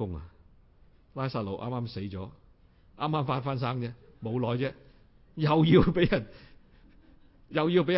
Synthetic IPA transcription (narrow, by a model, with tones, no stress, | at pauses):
ʊ˥ŋa̰˨ | laː˥jsaː˥t̚lo˨wʔa̰ː˥maː˥mse˨˥jt͡sɔː˨˥ | ʔaː˥mːaː˥mfaː˧˥nfaː˧˥ns̬aː˥ŋt͡sɛː˥mo˨˧wlɔː˨˧jt͡sɛː˦˥ | jɐ˨wjiː˧wpe˨˥jjɐ˨˩n | jɐ˨wjiː˧wp̬e˨˥j